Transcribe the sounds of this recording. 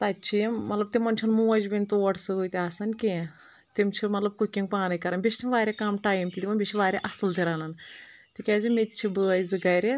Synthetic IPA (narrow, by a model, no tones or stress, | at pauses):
t̪ɐtt͡ʃʰijimɐt̪lɐb̚t̪imɐnʲt͡ʃʰɐnmuːd͡ʒbinʲt̪oːɐʈʰsɨɡɨt̪ʲasɐnʲkʲe | t̪imt͡ʃʰimɐt̪lɐb̚kukʲːiŋɡpaːnɐkɐɾɐnbʲiʃt̪ʰimʋaːɾʲekaːmʈaːjmt̪it̪imɐnbʲit͡ʃʰiʋaːɾʲeʔɐsɨlt̪iɾɐːnɐn | t̪ikʲɛːzimet̪̚ʲt͡ʃʰibɨɐjzɨɡɐjɾe